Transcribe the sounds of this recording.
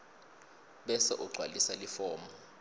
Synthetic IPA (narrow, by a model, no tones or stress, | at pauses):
ɓɛsɛ̰ʔuɡ͡ǀʱwalisalifɔːmbɔ